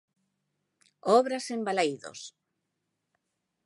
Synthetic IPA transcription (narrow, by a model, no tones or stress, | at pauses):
ɔβɾasembalajðo̰s